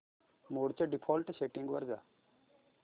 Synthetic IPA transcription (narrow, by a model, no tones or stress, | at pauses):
moːɽt͡ɕəɖɪpʰoːlʈʃeːʈɪ̃ŋɡʋə̰ɾd͡ʒaː